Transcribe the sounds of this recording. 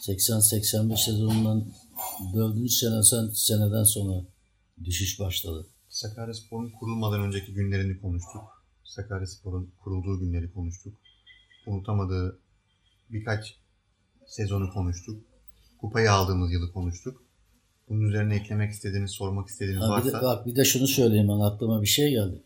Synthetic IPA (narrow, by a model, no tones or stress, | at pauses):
sɛcsænsɛcsænbɛʃsezo̞nund̪anbøɾd̪ynt͡ʃse̞nɛsænse̞ned̪ænso̞nɾa | d̪yʃiʃbaʃlˠad̪ɯ | sakʰaːɾaspʰo̞ɾunkʰuɾulˠmad̪anø̞nd͡ʒecʰiɟynlʲe̞ɾinɛkʰo̞nuʃt̪ʰuk̚ | sakʰaɾaspʰo̞ɾunkʰuɾulˠd̪uːɟynlʲe̞ɾikʰo̞nuʃt̪ʰukunut̪ʰamad̪ɯː | bikʰat͡ʃ | sezo̞nukʰo̞nuʃt̪ʰuk̚ | kʰupʰajaalˠd̪ɯːmɯzjɯlˠɯkʰo̞nuʃt̪ʰuk | b̥ununyze̞ɾinɛːclʲe̞mɛci̥st̪ʰe̞d̪iːnizso̞ɾmaki̥st̪ed̪iːniavaisd̪avak̚bid̪ɛʃunusø̞jlʲejimanaklˠɯmabiʃejɟælʲd̪ɪ